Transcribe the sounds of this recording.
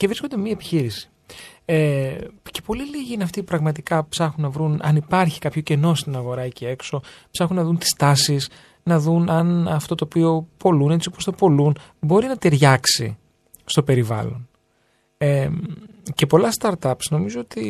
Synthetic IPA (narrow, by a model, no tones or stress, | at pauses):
cevɾiskond̪emiɐepi̥çiɾisi̥ | ece̞po̞liliʝiinɐft̪ipɾɐɣmɐt̪ikɐpsɐxunːɐvɾunɐ̰nipɐɾçi̥kɐpço̞ce̞no̞st̪inɐɣo̞ɾɐcee̞kso̞psɐxunːɐðunt̪i̥st̪ɐsis | nɐðunɐnɐft̪o̞t̪o̞ːpio̞po̞lune̞t͡siopost̪opo̞lunbo̞ɾinɐt̪eɾʝɐksḭ | st̪o̞pe̞ɾivɐ̰lo̞̰n | e | ce̞po̞lɐst̪ɐɾt̪ɐpsno̞mizo̞ot̪i